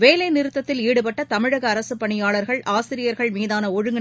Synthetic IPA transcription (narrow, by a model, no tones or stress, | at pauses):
ʋeːlɐɪnɪɾɯt̪ːɐt̪ːɪliːɽɯpɐʈːɐt̪ɐmɪɻɐɣɐːɾɐsɯpːɐɳɪjaːɭɐɾɣɐɭaːsɪɾɪjɐɾɣɐɭmiːðaːnɐɔɻɯŋɡɐ